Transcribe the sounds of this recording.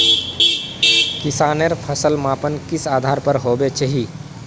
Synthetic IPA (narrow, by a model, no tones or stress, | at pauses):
kɪsaːneɾpʰəsəlmaːpənkɪsaːd̪ʱaːɾpɐɾɦoːbet͡ʃəɦi